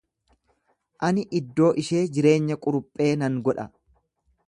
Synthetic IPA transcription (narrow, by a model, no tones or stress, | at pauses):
ʔɐnɪʔɪd̪ːo̞ːʔɪʃeːd͡ʒɪɾe̞ːɲːɐkʼʊɾʊpʼːe̞ːnɐŋɡɔᶑɐ̰